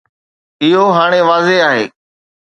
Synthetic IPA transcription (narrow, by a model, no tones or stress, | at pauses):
ɪɦoɦaːɽ̃eʋaːzeaːɦeː